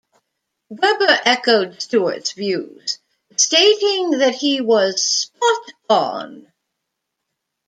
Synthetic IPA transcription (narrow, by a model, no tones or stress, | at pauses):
wɛbə˞ʔɛkoʊdstuə̰tsvjʉz̥ | steɪɾɪ̃ŋðɨt̚hiwʌz̥spɑtn